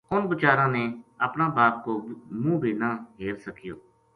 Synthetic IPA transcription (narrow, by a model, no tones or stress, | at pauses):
ʊnbət͡ʃaːɾãːneːəpnãːbaːp̚koːmũːbiːnaːɦeːɾsəkɪjoː